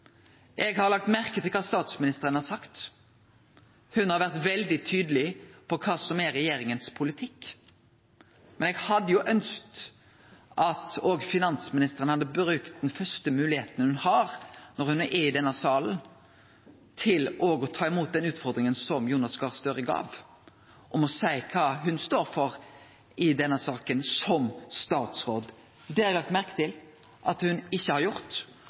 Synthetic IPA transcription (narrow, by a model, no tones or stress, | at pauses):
ʔɛɡhɑɾlɑk̚t̪mæʁkət̪ʰɪlkʰɑːst̪ɑːt̪smɪnɪst̪əʁənhɑsɑkt̪ | hʉnhɑɾʋæʁt̪ʋɛld̪ɪt̪ʰyːd̪əlɪpʰɔkʰɑːsɔmæɾɛjeːɾɪŋənspʰʊlɪt̪ʰɪkː | mɛnɛɡhɑd̪ːəjʊʔœnst̪ | ʔɑt̪oːɡfɪnɑnsmɪnɪst̪əʁənhɑd̪ːəbɾʉːkt̪̚d̪ɛnfœʁst̪əmʉːlɪheːt̪ən̩əhʉnhɑːɾnɔɾhʉnʔɛɪd̪ɛnːəsɑːln | t̪ʰɪlɔɡɔt̪ʰɑːɪmuːt̪̚d̪ɛnʉːt̪fɔʁd̪ɾɪŋənsɔmjuːnɑsɡɑʁst̪øːɾəɡɑ̰ːʋ | ʔɔmɔsæɪkʰɑːɦʉnst̪oːɾfɔɾ | ɪd̪ɛnːəsɑːkənsɔmst̪ɑːt̪sʁoːd̪ | d̪ɛæɾlɑkt̪mæʁkət̪ɪl | ʔɑt̪hʉnɪçːəhɑɾjʊʁt̪